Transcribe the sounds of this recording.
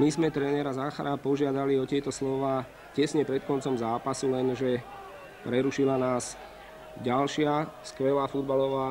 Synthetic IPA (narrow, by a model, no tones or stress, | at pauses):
mizmɛt̪ɾɛnɛɾazaːxaɾapɔʒɪad̪aliɔt̪ɪɛt̪ɔslɔʋaː | cɛsɲɛpɾɛt̪̚kɔnt͡sɔmzaːpasulɛnʒɛ | pɾɛɾuʃilanaːs | ɟalʃɪaskʋɛlaːfud̪balɔʋaː